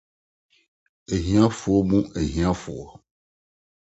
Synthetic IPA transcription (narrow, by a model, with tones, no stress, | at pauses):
e˨ɦĩ˦ã˦fu˨˦o˦mũ˦ʔe˨ɦĩ˨˦ã˦fṵ˨ɔ˨